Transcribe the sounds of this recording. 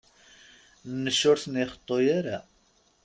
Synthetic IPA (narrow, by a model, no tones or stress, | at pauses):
nːəʃːʊɾθəniχə̥t̪ˤːojaɾa